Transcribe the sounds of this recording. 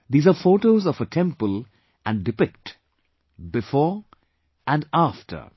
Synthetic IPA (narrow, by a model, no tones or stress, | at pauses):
d̪iːzafoːʈoːzɔfəʈʰɛ̃mpəl | ʔæ̃nɖɪpɪkʈ | bɪfɔːɹ | ʔæ̃nɖafʈʰə̰˞